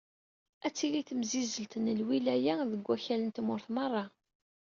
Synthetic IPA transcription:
æt͡sːiliθəmzizəlt̪nəlwilæjæðəɡʷːæçælənt̪mʊɾθmɑrˤːɑ

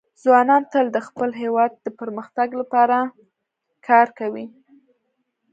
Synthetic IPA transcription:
zwɑnɑnt̪əld̪əxpəlɦewɑd̪̚ːəpəɾməxt̪aɡlapɑɾa | kʰɑɾkawi

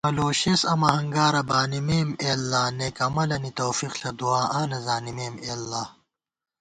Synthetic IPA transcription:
mɐloːɕesɐmɐhɐŋɡaːɾɐbaːnimeːmeːlːaːneːkɐmɐlɐnit̪oːfiqɬɐd̪uaːʔaːnɐzaːnimeːmeːlːaː

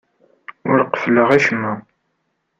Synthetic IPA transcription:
ʊɾqə̥fləʁæʃəmːæ

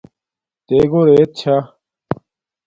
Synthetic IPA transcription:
t̪eːɡoːɾet̪̚t͡ɕʰaː

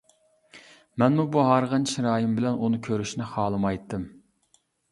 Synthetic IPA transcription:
mɛnmubuɦɑɾʁənʃɾɑːjimbɪlɛnʔunɨkʲʰøɾyʃnɪχɑːlˠɨmɑjt̪ːɨm

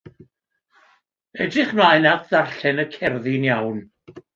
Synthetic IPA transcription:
ɛdrɪχmlajnadðarɬɛnəkʰɛrðɪnjawn

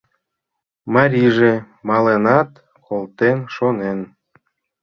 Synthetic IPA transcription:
mɑɾʲiʒe | mɑlenɑt̪ | kolt̪enʃonen

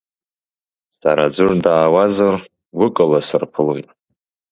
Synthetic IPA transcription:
tʼaɾad͡zʷʊrdaːwazar | wʊkʼɨlasɨrpʰɨlojtʼ

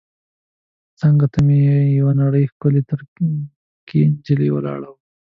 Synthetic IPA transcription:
t͡səŋɡat̪amejawanaɽəjxkʊlet̪əɾ | kʰend͡ʒəlewə̰lɑ̰ɽəw

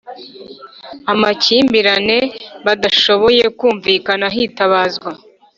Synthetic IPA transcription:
amaciːmbiɾane̞βadaʃo̞βo̞je̞kuːɱviːkanaɦitaβaːzɡwa

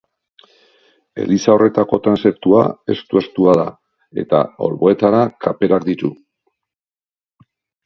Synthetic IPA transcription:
e̞̰lisao̞re̞t̪ako̞t̪ɾanse̞pt̪ua̰e̞st̪ue̞st̪uaða | e̞t̪a̰o̞̰lβo̞e̞t̪aɾakʰape̞ɾakd̪it̪u

